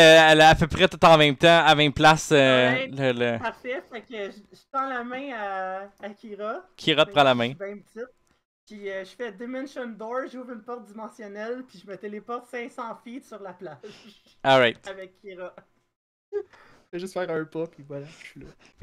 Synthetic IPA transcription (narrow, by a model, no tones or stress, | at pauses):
øɛlapɛpʁɛt̪ʊt̪ɑ̃mɛ̃mt̪ãamɛ̃mplasøɛələpaʁfɛfakʲəʒ | ʒət̪ɑ̃lamɛ̃aːkʲʰiʁɔkʲʰiʁɔt̪pʁɑ̃lamɛ̃bɛ̃pət͡sɪt̪̚ | piəʒəfɛd̪emɛ̃nʃɔnd̪ɔɹʒuːvʁynpɔʁt̪̚d̪imɑ̃sjɔnɛlpiʒəmɛt̪ɛlepɔʁt̪sɛ̃sɑ̃fit̪syʁlaplaʒɔʁaɪt̪avɛkʲʰːiʁɔ | ɛʒəsfæːʁə̃pɔpivwalaʃlɔ